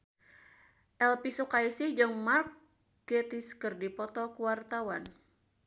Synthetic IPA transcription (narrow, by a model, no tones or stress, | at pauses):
ʔɛlpisukaisid͡ʒɨŋmark | ɡɛt̪iskərdipɔt̪ɔkuwart̪awan